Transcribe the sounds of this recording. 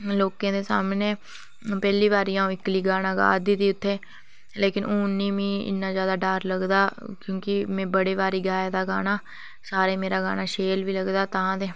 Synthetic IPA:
loːkãːd̪eːsa̰ːmneː | pɛːliːʋaːɾijãːũːɪkliːɡaːnãːɡa̰ːd̪iːd̪iːʊt̪ʰːeː | leːkɪnoːnːĩːʋĩːɪ̰nːãːzjaːd̪aːɖaːɾləɡd̪aːkjõːkɪmɛ̃ːbəɽeːʋaːɾiːɡaːjad̪aːɡaːnaː | saːɾeːmeːɾaːɡa̰ːnaːʃeːlʋiːləɡd̪aːt̪ããːd̪eː

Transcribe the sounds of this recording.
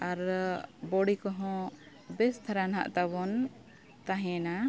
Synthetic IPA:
aɾbɔɽikɔɦɔ̃ | bɛst̪ʰaɾanɦa̰ʔt̪aβɔn | t̪aɦɛ̃na

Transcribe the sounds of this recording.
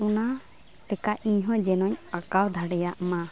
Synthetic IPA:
una | sɛkaʔiɲɦɔ̃d͡ʒɛnɔɲakawd̪ʱaɽɛjaʔma

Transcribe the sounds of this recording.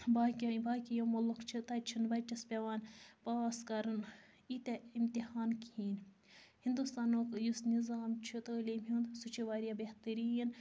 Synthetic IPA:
baːkʲɐbaːkʲijomɐlukt͡ʃʰit̪ɐt͡ʃʰinbɐt͡ʃɐspʲeʋaːnpaːskɐɾɨn | it̪eimt̪ihaːnkhiːn | hind̪ust̪aːnoːkjusnizaːmt͡ʃʰit̪əːlʲemɦind̪sut͡ʃʰiʋaːɾijabeht̪ɨɾijɐn

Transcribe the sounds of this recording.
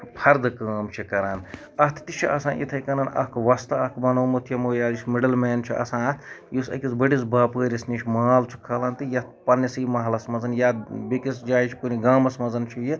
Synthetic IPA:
pʰɐɾd̪ɨkaːmt͡ʃʰikɐɾaːn | ɐt̪ʰt̪it͡ʃʰiʔɐ̰sãːʔḭt̪ʰɐjkɐnanʔɐ̰kʰʋɐst̪ɐɐkʰbɐnoːmut̪ʰjɐmojaːismiɖɐlmeːnt͡ʃʰiʔɐ̰sãːt̪ʰjusɐ̰kisbɐɽisbaːpəːɾʲɐsniːt͡ʃʰʲmaːlt͡ʃʰi̥kʰːɐlɐnt̪ɨjɐt̪pɐnɐsɨmɐɦlɐsmɐzɐnjaːbekisd͡ʒaːjt͡ʃʰikuniɡaːmɐsmɐzɐnt͡ʃʰiji

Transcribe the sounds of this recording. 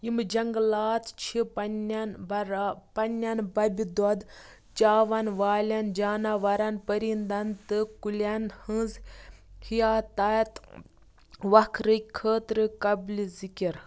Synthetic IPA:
imd͡ʒɐŋɡlaːt̪ʰt͡ʃʰipnnɾpɐnʲːɐnbɐbʲid̪ɔd̪ | t͡ʃaːʋɐnʋaːlʲɐnd͡ʒaːnaʋɐɾɐnpəɾind̪ɐnt̪ɨkulʲɐnhɨ̃zhijaːt̪aːt̪ | ʋɐkʰɾɨkʰəːt̪ɾɨkɐblizikʲiɾ

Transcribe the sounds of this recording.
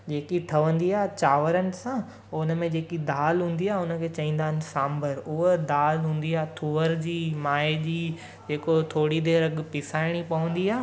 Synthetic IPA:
d͡ʑeːkiʈʰɐʋə̃nd̪iaːɦt͡ɕaːʋəɾənɪ̆sã | ʊnə̆mẽd͡ʑeːkid̪aːlɦũːn̆d̪iaːɦʊnə̆kʰeːt͡ɕɐĩːnd̪aːɦɪn̆sãːmbʱəɾʊɦəd̪aːlɦũːn̆d̪iaːt̪ʰuʋəɾd͡ʑiːmaːed͡ʑiː | d͡ʑeːkot̪ʰoːɽid̪eːɾɐɠpɪsaːɪɽ̃ipɐʋə̃nd̪iaː

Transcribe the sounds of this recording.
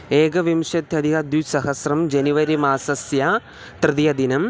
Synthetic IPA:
eːɡɐʋimʂɐt̪ʰjɐd̪ʱiɣɐd̪jusɐɦɐsrɐmd͡ʑɐniʋɐɾimaːsɐsjaː | t̪rɨd̪ijɐd̪inɐm

